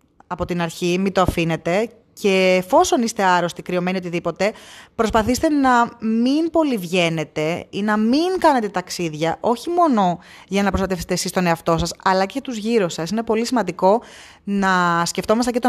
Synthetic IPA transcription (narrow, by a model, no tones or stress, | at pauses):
ɐpo̞t̪inɐɾçimit̪o̞ɐfine̞t̪e̞ | cʰe̞ːfo̞so̞nist̪e̞ɐɾo̞st̪ikɾio̞me̞nio̞t̪iðipo̞t̪e̞pɾo̞spɐθist̪enɐminpo̞livʝe̞ne̞t̪e̞inɐmiŋkɐne̞t̪e̞t̪ɐksiðʝɐʔo̞çimo̞no̞ | ʝɐnɐpɾost̪ɐt̪efset̪esist̪o̞neɐft̪o̞sɐsɐlɐcejɐt̪uzʝiɾusɐsine̞po̞lisimɐnd̪iko̞ | nɐsce̞ft̪o̞mɐst̪ɐcet̪